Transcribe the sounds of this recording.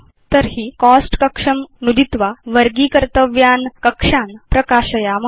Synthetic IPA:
t̪əɾɦiːkɔsʈkəkʂəmnud̪it̪ʋaʋəɾɡiːkəɾt̪əʋjankəkʂanpɾəkaɕəjam

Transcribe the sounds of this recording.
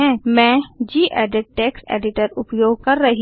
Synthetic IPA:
ɛ̃ːmɛ̃ːd͡ʒiːʔɛːɖəɖ̚ʈeːksḛːɖɪʈəɾʊpjoːɡ̚kɐɾːɐɦi

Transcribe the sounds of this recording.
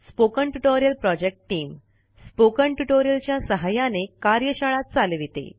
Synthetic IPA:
spokəɳʈuʈoɾjəlpɾɔd͡ʑek̚ʈʈiːm | spokəɳʈuʈoɾjəlt͡ɕjasəɦajanekaɾjəɕəɭat̪̚t͡salʋit̪ḛ

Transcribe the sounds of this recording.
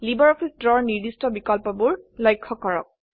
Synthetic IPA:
libɔɹɔpʰisdɹɔɹniɹdistɔbikɔlpɔbʊɹlɔjkʰːɔkɔɹɔ̰k̚

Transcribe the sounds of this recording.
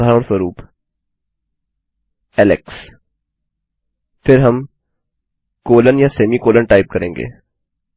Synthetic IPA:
aːɾəɽ̃swəɾuːp | ɛːlɛks | fʰɪɾɦɐm | koːlənjaseːmikoːlənʈaːɪp̚kɐɾẽːŋɡḛː

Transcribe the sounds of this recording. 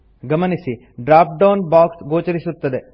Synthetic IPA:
ɡɐmɐnisi | ɖɾaːp̚ɖɐːnbaːksɡoːt͡ʃɐɾisut̪ːɐd̪e̞

